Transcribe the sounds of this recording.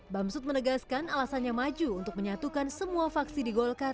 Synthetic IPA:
bamsʊt̪̚mənəɡaskanalasanɲamad͡ʒuuːnt̪ʊk̚məɲat̪ukansəmuafaksidiɡɔlkar

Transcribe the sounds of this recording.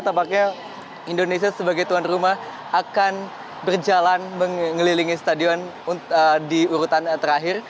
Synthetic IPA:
t̪apak̚ɲa | indonesiasəbaɡajt̪uanrumah | ʔakan | bərd͡ʒalanməŋŋəliliŋisə̥t̪adiɔnuədiuɾut̪ant̪əɾaɦɪr

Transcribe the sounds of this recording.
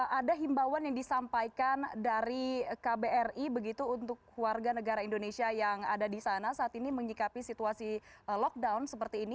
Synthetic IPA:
adaɦimbawanjaŋdisampajkandaɾikabeɛribəɡit̪uːnt̪ʊklwarɡanəɡaɾaindonesiajaŋa̰dadisanasaːt̪iniməɲikapisit̪uasilɔk̚daunsəpərt̪iːni

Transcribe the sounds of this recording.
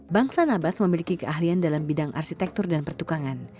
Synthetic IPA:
baŋsanabat̪məmilikikəʔaɦliandalambidaŋʔa̰rʃit̪ɛk̚t̪ʊrdanpərt̪ukaŋan

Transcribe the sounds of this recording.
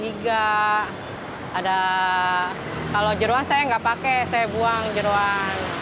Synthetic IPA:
iɡa | da | kalod͡ʒəɾoansajaŋɡapakɛsajabuaŋd͡ʒəɾoan

